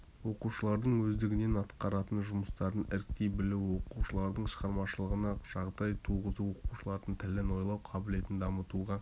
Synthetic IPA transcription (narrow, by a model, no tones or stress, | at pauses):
wo̞quʃəlˠɑɾd̪əɴwɵzd̪ɪɡʲɪne̞nɑt̪qɑɾɑt̪ənʒʊməst̪ɑɾənɪɾk̚t̪e̞jbɪlɪwwo̞quʃəlˠɑɾd̪əɴʃəʁɑɾmɑʃəlˠəʁənɑʒ̥ɑʁd̪ɑjt̪ʰuʁəzuwo̞quʃəlˠɑɾd̪ənt̪ʰɪlɪno̞jlˠɑwqʰɑbɪle̞t̪ɪnd̪ɑmət̪uʁɑ